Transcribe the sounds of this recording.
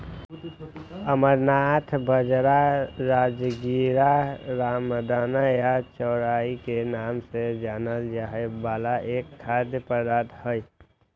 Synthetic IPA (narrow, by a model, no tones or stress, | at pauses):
əməɾnat̪ʰbəd͡ʒɾaɾaːd͡ʒɡiɾaɾaːmd̪aːnajat͡ʃɔːɾaːikenaːmsed͡ʒaːnəljaɦɛbaːlaʔekʰːad̪jəpəɾd̪aːt̪həj